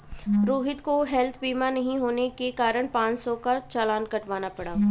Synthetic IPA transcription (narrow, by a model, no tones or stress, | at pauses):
ɾoːɦɪt̪koɦɛlt̪ʰbiːmanɐɦĩɦoːnekekaːɾəɽ̃pãːt͡ʃsɔkat͡ʃaːlãːnkɐʈʋaːnapɐɽaː